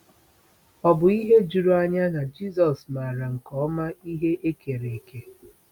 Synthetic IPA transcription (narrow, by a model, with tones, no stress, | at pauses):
ɔ˨bʊ˨i˦ɦe˦d͡ʒu˨ɾo˦a˦ɲa˦na˨d͡ʒi˦zɔ˨sma˨ɾa˨ŋ̩˨kɔ˦ma˦i˦ɦe˦ʔe˦kʰe˨ɾe˨e˨ke˦